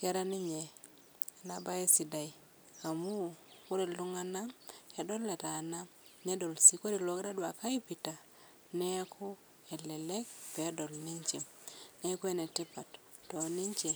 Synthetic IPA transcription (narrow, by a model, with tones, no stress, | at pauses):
kɛ˦ɾa˦ni˦ɲe˨ | na˨ba˦e˦si˨da˨i˨ | a˨mu˦ku˦ɾe˨lu˦ŋa˦na˦ɛ˨dɔ˦lːe˨ta˨na˦m | ne˦do˨lsi˦ko˦di˨lo˨kɾa˦dwa˨ka˦i˦pi˨ta˨ | nɛ˦kʰu˦ | ɛ˨lɛ˨lɛ˦k̚pɛː˨˦dɔ˨lni˦ɲt͡ʃi˨m | ne˦ku˦e˦˨nɛ˨ti˦pa˨t | tɔ˨ni˦ɲt͡ʃe˨